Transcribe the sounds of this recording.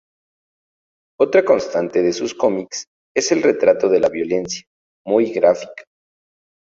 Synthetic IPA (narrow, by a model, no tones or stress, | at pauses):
o̞t̪ɾako̞nst̪ant̪e̞ðe̞susko̞miks | e̞se̞lre̞t̪ɾat̪o̞ðe̞laβjo̞le̞nsja | mujɣɾafi̥kḁ